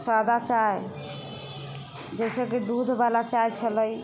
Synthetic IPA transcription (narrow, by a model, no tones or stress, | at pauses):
swad̪ʱat͡ʃaj | d͡ʒesəkid̪ud̪ʱbalat͡ʃajt͡ʃʰələj